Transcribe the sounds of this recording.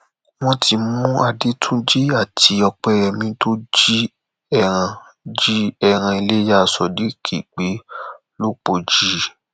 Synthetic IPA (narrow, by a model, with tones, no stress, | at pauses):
w̃ɔ̃˦ti˧mũ˦a˧di˦tʰũ˦d͡ʒi˦a˦˨tʰi˨˦ɔ˧k͡pɛ˧ɾɛ˧mĩ˧to˦d͡ʒi˦ | ɛ˧˨ɾ̃ã˧ | d͡ʒi˦ɛ˧ɾ̃ã˧i˧le˦ja˦˧˨sɔ˧di˦kʰi˦˨k͡pe˨˦ | lo˦k͡po˧˨d͡ʒi˦